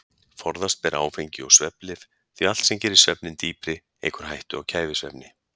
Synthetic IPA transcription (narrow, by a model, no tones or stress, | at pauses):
fɔɾðast̪̚pɛːɾa̰ːwfejɲcɪɔɣsvɛplɪf | θɥial̥t̪sɛmcɛːɾɪ̥svœpnɪnt̪iːpɾɪ | ḛjkʏɾ̥ɦajht̪ʏɔɣcʰaːjvɪsvɛ̰pnɪ